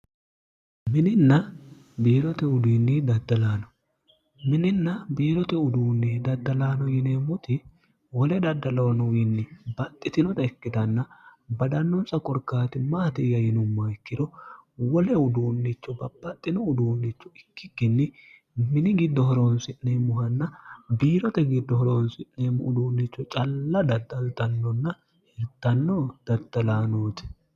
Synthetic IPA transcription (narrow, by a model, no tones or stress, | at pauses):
mɪnɪnːɐ | biːlɔt̪ɛʊd̪iːnːid̪ɐd̪ːɐlaːnɔ | mɪnɪnːɐbiːɾɔt̪ɛʊd̪uːnːid̪ɐd̪ːɐlaːnɔjɪneːmːʊt̪ɪ | wɔlɛd̪ɐd̪ːɐlɐwnɔwinːɪbɐt̪ʼːɪt̪ɪnɔt̪ɐɪkːɪd̪ɐnːɐbɐd̪ɐnːɔnsɐkʼɔɾkːaːt̪ɪmaːt̪ɪjɐjɪnʊmːɐɪkːɪd̪ɔwɔlɛʊd̪uːnːit͡ʃːɔbɐbːɐt̪ʼːɪnɔʊd̪uːnːit͡ʃːɔɪkːɪkːɪnːɪ | mɪnɪɡɪd̪ːɔhɔɾoːnsɪnːɛmʊhɐnːɐbiːɾɔt̪ɛɡɪd̪ːɔhɔɾoːnsɪʔːemʔʊd̪uːnːɪt͡ʃːɔt͡ʃʼɐlːɐd̪ɐd̪ːɐlt̪ɐnːɔnːɐ | hɛɾt̪ːɐnːɔd̪̥ɐd̪ːɐlaːnoːt̪ɛ̥